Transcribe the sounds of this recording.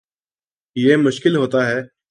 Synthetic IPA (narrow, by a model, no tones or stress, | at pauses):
jemʊʃkɪlɦoːt̪aɦɛː